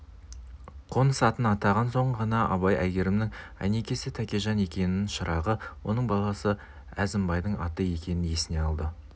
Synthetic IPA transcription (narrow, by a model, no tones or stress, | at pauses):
qʰo̞nəsɑt̪ənɑt̪ɑʁɑnso̞ɴʁɑnɑʔɑ̰bɑjæɡʲe̞ɾɪmnɪŋæ̰ne̞kʲe̞sɪt̪ʰækʲeʒɑne̞kʲe̞nɪnɪnʃəɾɑʁəwo̞nəɴbɑlˠɑsə | æzɪmbɑjd̪əɴɑt̪əje̞kʲe̞nɪnje̞sɪne̞ɑlˠd̪ə